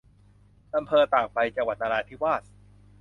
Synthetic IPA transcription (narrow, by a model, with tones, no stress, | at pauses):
ʔa˧mpʰɤː˧t̪aː˨˩k̚pa˧jt͡ɕa˧ŋwa˨˩t̪̚ʔaː˧ɾaː˧t̪ʰi˦˥waː˥˩t̪̚